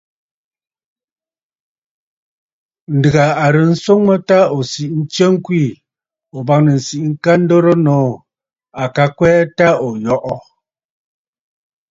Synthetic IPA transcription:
n̩˨dɨ˨ɣa˨a˨ɾə˨n̩˦so˦ŋmə˦ta˦o˨si˨ʔn̩˦t͡ʃə˦ŋ˦kwi˦˨ | o˨ba˦˨ŋnə˨n̩˨si˨ʔŋ̩˦ka˦n̩˦do˦ɾo˦nɔ˨˦˨ | a˨ka˦kwɛː˦ta˦o˨jɔ˦ʔɔ˦

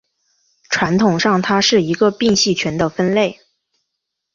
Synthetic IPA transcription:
ʈ͡ʂʰwa˧˥nt̪ʰʊ˨˩ŋʂɑ˥˩ŋt̪ʰa˥ʂɻ̩˥˩i˧˥ɡə˧pi˥˧ŋɕi˥˩t͡ɕʰɥɛ˧˥nd̪ə˧fə˥nle˥˩ɪ

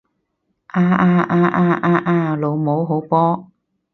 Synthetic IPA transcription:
ʔaː˧ʔaː˧ʔaː˧ʔaː˧ʔaː˧ʔaː˧lo˨˧wmo˨˥wɦo˨˥wpɔː˥

